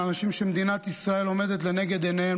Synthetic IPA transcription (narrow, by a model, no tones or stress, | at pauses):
anaʃimʃemed̪inat̪isʁae̞lo̞me̞d̪et̪le̞ne̞ɡe̞d̪enee